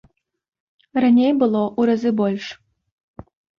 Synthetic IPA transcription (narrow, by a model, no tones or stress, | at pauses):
rɐnʲejbɨlˠoʔuɾɐzɨbolʲʂ